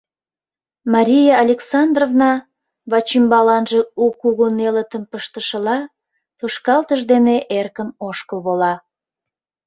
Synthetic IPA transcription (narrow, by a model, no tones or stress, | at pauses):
mɑɾʲijɑːlʲeksɑnd̪rovnɑ | βɑt͡ɕimbɑlɑnʒeukːuɣonelət̪əmpəʃt̪əʃəlɑ | t̪uʃkɑlt̪əʒd̪eneʔerkənoʃkəlβolɑ